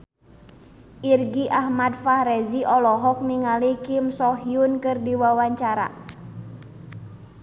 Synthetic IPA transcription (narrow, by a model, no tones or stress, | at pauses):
ʔirɡiʔahmadfahɾɛziʔɔlɔɦɔk̚niŋalikimsɔɦiunkɨrdiwawaɲt͡ʃaɾa̰